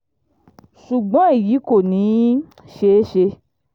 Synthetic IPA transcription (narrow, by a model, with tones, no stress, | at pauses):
ʃu˨ɡ͡bɔ̃˨˦e˦˨ji˨˦ko˦˨nĩ˨˦ | ʃe˦ʃe˧